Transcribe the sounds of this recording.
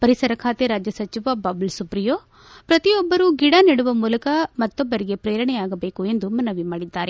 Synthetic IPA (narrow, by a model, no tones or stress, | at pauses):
pɐɾisɐɾɐkʰaːt̪iɾaːd͡ʒjɐsɐt͡ʃiʋɐbaːbulsupɾijoː | pɾɐt̪iɔbːɐɾuɡiɽaniɽuʋɐmuːlɐkɐmɐt̪ːobːɐɾiɡepɾeːɾɐɳɛaːɡɐbeːkue̞nd̪umɐnɐʋimaːɽid̪ːaːɾe